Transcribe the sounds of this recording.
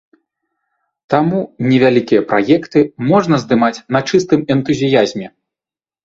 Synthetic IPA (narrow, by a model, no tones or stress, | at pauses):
t̪amunʲɛvʲalʲikʲijɐpɾʔa̰jɛkt̪ɨmɔʐnɐzd̪ɨmat͡sʲnɐt͡ʂɨst̪ɨmɛnt̪uzʲijazʲmʲɛ